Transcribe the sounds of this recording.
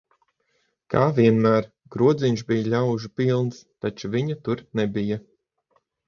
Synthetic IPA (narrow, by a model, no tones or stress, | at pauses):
kaːvʲiɛnmæːɾ | ɡɾuɔd̪zʲiɲʃ̬bijalʲawʒupilˠnst̪at͡ʃuviɲat̪uɾnɛbija